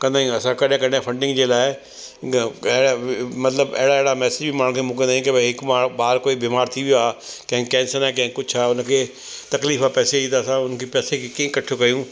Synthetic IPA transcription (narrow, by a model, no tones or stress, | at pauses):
kə̃nd̪ãːĩəsãːkəɖẽːkənãːpʰəɳɖɪ̃ŋɡd͡ʒeːlaɛː | ɛːɽamət̪ləbɛ̰ːɽaːɛːɽaːmɛːsɪd͡ʒbʱiːmãːɽ̃kemʊk̬ɪd̪aĩːkebɪkaːbaːɾkoːibɪːmaːɾt̪ʰiːbʱiaːkɛ̃ːkːɛ̃ːnsəɾɛːk̬ɛ̃ːkʊt͡ʃʰaːʊnke | t̪əkliːfaːpɛːseiːd̪aːsãːʊnkepɛːsekekẽkəʈʰːokəjũː